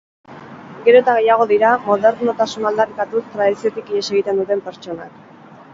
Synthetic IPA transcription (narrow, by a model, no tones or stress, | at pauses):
ɡe̞ɾo̞t̪aɣ̞e̞jaɣ̞o̞ðiɾamo̞ðe̞ɾnot̪asunald̪aɾikat̪ust̪ɾaðisiot̪ikiɾese̞ɣ̞it̪e̞nd̪ut̪e̞mpe̞ɾt͡ʃo̞nak